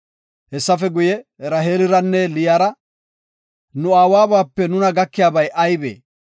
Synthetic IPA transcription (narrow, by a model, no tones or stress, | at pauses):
hɛsːɐfɛɡʊjɛɾɐɦeːlɪɾɐnːɛlɪjaːɾɐ | nʊaːwaːbaːpːɛnʊnɐɡɐkːɪjaːbɐjʔɐjbḛː